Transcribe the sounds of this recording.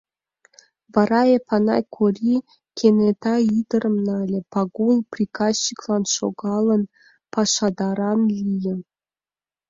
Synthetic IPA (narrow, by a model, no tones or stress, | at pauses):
vɑɾɑepʰɑnɑ̰jkʰorʲi | kʰʲenet̪ɑid̪əɾə̆mnɑlʲĕpɑɡulˠprʲikɑst͡ɕːiklˠɑnʃo̰ɡɑlˠə̆n | pɑʃɑd̪ɑɾɑnlʲijə̆